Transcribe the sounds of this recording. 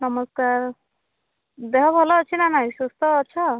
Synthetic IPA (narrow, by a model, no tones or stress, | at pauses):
nʌməskaɾ | d̪eɦɔbʱɔlɔːt͡ʃʰinanajsust̪ɔːtːʃʰa